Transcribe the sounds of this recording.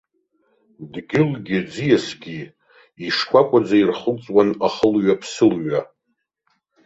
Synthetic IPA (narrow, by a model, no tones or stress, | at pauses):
dɡʲɪlɡʲɪd͡zijasɡʲi | iʂkʷʰakʷʼad͡zairχəlt͡sʼwanaχəlɥapʰsɨlɥa